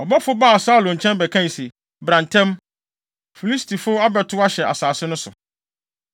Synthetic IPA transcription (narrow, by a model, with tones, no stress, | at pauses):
ɔ˨bɔ˦fʊ˦ba˦˨saː˦˨lʊ̃˨ɲ̩˨t͡ɕʰɛ̃˦nbɛ˨kʰã˦n˨se˨ | bɾã˨ntʰɛ̃˦m | fi˨li˦stʰi˨fʊ˦a˦bɛ˨tʰʊ˦a˦ɕɛ˨ʔa̰˨saː˨sɪ˦nʊ̃˦sʊ̰˨